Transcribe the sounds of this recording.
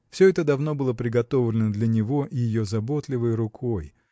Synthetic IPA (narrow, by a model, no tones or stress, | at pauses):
fsʲɵɛt̪əd̪ɐvno̞bɨlˠəpɾʲɪɡɐt̪o̞vlʲɪnəd̪lʲɐnʲɪvo̞ʔɪjɪjozɐbo̞t̪lʲɪvəjɾʊkʰo̞j